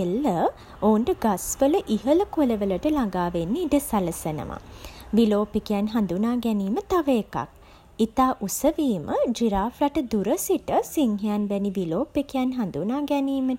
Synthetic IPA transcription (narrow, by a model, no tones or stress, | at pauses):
elːə | ouɳʈəɡasʋələʔiɦələkuləʋələʈəlaŋɡaːʋenːiiɖəsaləsənə̰ma̰ʋiloːpikijanɦand̪unaːɡɛniːmət̪aʋeːka̰k̚ | it̪aːʔusəʋiːmʔəd͡ʒiɾaːflaʈəd̪uɾəsiʈəsiŋɦejanʋæniʋiloːpːekejanɦand̪unaːɡɛniːmə